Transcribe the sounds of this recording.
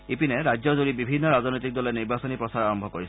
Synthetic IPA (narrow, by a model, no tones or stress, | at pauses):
epinɛɹajzɔzoɹibibʱinːɔɹaznojtik̚dɔlɛniɹbasɔnipɹɔsaɹaɹɔmbʱɔkoɹisɛ